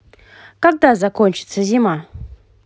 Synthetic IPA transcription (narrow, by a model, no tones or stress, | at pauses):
kak̚dazakonʲt͡ʃɪ̥t̪səzima